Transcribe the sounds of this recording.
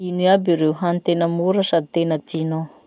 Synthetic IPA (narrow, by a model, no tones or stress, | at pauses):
iniabiɾewɦant̪enamuɾasat̪enat̪ino